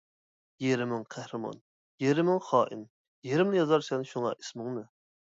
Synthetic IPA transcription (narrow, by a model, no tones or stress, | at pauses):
jeɾɪmɪŋqʰæhɾɨmɑ̰n | jeɾɪmɪŋχɑːʔḭn | jeɾɪmnɪjɑzɑɾsɛnʃuŋɑ̰ʔismɪŋnɨ